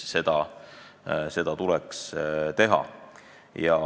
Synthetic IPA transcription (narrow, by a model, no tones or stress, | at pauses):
se̞d̪̥ɑ | se̞d̪̥ɑt̪ulɛkst̪e̞ɦɑ̰ | jɑ